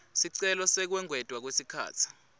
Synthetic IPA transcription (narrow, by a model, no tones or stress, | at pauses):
siǀɛlɔsɛk̬wɛŋwɛd̥ʼʱwak̬wesikʰa̰ːt͡sʰi̥